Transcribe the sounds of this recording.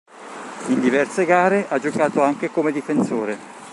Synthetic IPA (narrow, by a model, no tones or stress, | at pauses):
ind̪ivɛrseɡaːɾeʔad͡ʒokaːt̪oaŋkekomed̪ifensoːɾe